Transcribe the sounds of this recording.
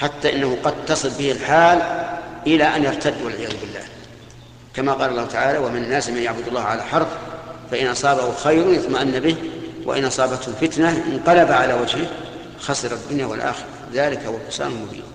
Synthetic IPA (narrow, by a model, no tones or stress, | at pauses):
ħat̪ːaʔɪnːahuqɑd̪̚t̪ɑsˤɨlbɪhɪlħaːlʔɪlaʔanjɑɾˤt̪ʰad̪ːwalʕɪjaːðʊbɪlːa̰ːh | kamaqɑːlɑlˤːɑːhʊt̪aʕaːlawamɪnanːaːsmanjaʕbʊd̪ʊlˤːɑːhʕalaħɑɾˤffaʔɪnʔɑsˤɑːbahʊxajɾʊnjat̪maʔanːabɪhwʔa̰ʔɪ̰nʔɑsˤɑːbat̪hʊfɪt̪naʔɪ̰nqɑlabaʕalawad͡ʒhɪ | xɑsˤɨɾɑd̪ːʊnjawa̰lʔa̰ːxɪɾˤɑðaːlɪkhʊwalqʊ̥sa̰ːnalmʊbḭːn